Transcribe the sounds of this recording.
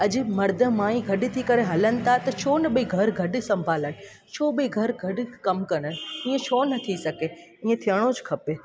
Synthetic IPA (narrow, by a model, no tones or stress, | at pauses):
ɐʄɪ̆mɐɾd̪ʱəmãːĩɡʱɐɗɪ̆t̪ʰikɐɾeɦɐlənɪ̆t̪ʰat̪ɐt͡ɕʰoːnɐɓəiɡʱɐɾɡʱɐɗɪ̆sɐ̃mbʱaːləɽ̃ɪ̆ | t͡ɕʰoːɓiɡʱɐɾɡʱɐɗɪ̆kɐmkɐɽ̃əɽ̃ɪ̆ĩːẽt͡ɕʰonɐt̪ʰisɐkeĩːẽt̪ʰijəɽ̃od͡ʑkʰɐpe